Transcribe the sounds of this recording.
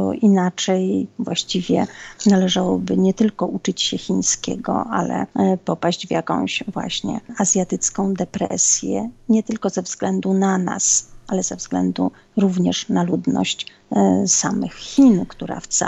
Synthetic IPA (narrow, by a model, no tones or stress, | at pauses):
ɔʔinat͡ʂɛjvwaɕt͡ɕivʲjɛnalɛʐawɔbɘɲɛt̪ɘlkɔʔut͡ʂɘt͡ɕɕɛxʲinskʲɛ̰ɡɔ̰ʔalɛ̰pɔpaɕd͡ʑvjakɔ̰̃w̃ɕvwa̰ɕɲɛ̰azʲjat̪ɘt̪skɔ̃w̃d̪ɛpɾɛ̰sʲjɛ̰ɲɛt̪ɘlkɔzɛvzɡlɛnd̪unana̰sʔalɛzɛvzɡlɛnd̪u | ɾuvɲɛʂnalud̪nɔ̰ɕt͡ɕ | samɘxːʲinkt̪uɾa̰ft̪sa